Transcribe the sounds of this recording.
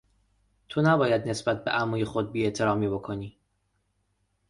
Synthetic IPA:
t̪ʰonæbɒːjæd̪ne̞sbæt̪̚beʔæmuːjexo̞d̪̚biːeʔt̪ʰe̞ɾɒːmiːbo̞kʰoniː

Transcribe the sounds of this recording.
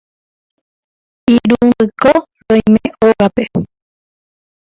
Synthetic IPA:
iɾundɨko | ɾõj̃mẽoɣape

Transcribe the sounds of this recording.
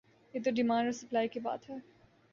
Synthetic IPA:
jeːt̪oɖɪmãːnosɐplaːikiba̰ːt̪ɦɛː

